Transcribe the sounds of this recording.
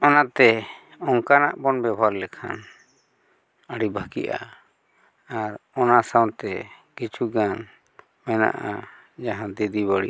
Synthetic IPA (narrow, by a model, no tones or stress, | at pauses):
ɔnat̪ɛ | ɔŋkana̰ʔbɔnbɛbʱaɾlɛkʰa̰n | əɽibʱakḭʔa̰ | aɾɔnasawnt̪ɛɡ̥ɛt͡ʃuɡan | mɛna̰ʔa̰ | d͡ʒaɦãd̪ɛd̪iβaɽḭ